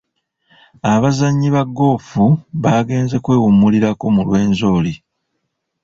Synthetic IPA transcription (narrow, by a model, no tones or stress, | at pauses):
aβazaɲːiβaɡo̞ːfuβaːɡe̞ːnze̞kwe̞ːwumːuliɾako̞mulwe̞ːnzo̞ːli